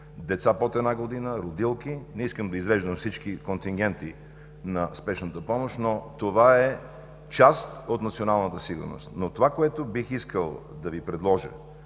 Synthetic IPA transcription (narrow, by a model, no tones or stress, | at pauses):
d̪ɛt̪sapot̪ɛd̪naɡod̪inəɾod̪ilˠkinɛiskəmd̪ɐizɾɛʒd̪əmfsit͡ʃkikont̪iŋɡ̟ɛnt̪i | nɐspɛʃnət̪əpɔmoʃnot̪ovaɛ | t͡ʃast̪ot̪nɐt̪sionalˠnət̪əsiɡʊ̰ɾno̰st̪not̪ovakoɛt̪obixiskəlˠd̪ɐvipɾɛd̪lˠɔʒə̰